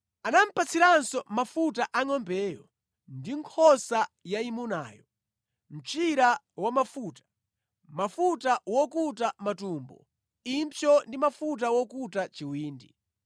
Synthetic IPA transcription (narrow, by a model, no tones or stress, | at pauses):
anam̩pat͡sʰiɾansɔmafutaʔaŋɔmbɛːjɔ̰ | ndiŋkʰɔsajaimuna̰ːjɔ | m̩t͡ʃiɾa | wamafuːtḁ | mafutawɔkutamatuːmbɔ̰ | impɔndimafut̬awɔkutat͡ʃiwiːndi